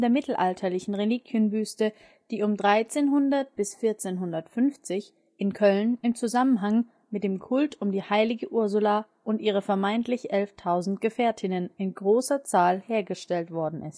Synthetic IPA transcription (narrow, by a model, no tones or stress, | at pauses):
deːɐmɪtl̩ʔaltʰɐlɪçn̩ʁeliːkʰjənbyːstə | d̥iːʊmdʁaɪt͡seːnɦʊndɐt̚b̥ɪsfɪɐt͡seːnɦʊndɐtfʏnft͡sɪç | ʔɪnkʰœlnɪmt͡suzamənɦaŋ | mɪt̚d̥eːmkʰʊltʊmdiːhaɪlɪɡəʔʊɐzʊla | ʔʊntʔiːʁ̞əfɛɐmaɪntlɪçʔɛlftʰaʊzn̩tɡ̥əfeːɐtʰɪnənɪnɡʁoːsɐt͡saːlheːɐɡəʃtɛltv̥ɔɐdn̩ʔɪst